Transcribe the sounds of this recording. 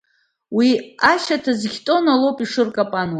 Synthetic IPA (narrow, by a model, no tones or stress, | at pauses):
wiaʃatʰazɡʲtʼo̞nalowpʼiʂɨrkʼapʼanwa